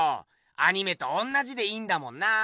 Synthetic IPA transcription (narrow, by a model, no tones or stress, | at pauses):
o̰ | aɲ̟ime̞t̪oõnːaʑid̪e̞ĩːnd̪amõ̞nːa